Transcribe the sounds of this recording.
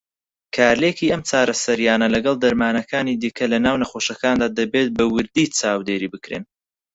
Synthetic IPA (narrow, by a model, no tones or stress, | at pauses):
kʰaːɾlekiːɐmt͡saːɾɐsɐɾijaːnɐlɐɡɐlˠd̪ɐɾmaːnɐkʰaːnid̪iːkʰɐlɐnaːwnɐχo̞ːʃɐkaːnd̪aːd̪ɐbeːt̪̚bɐwɨɾd̪it͡saːwd̪eːɾiːbɨkɾḛːn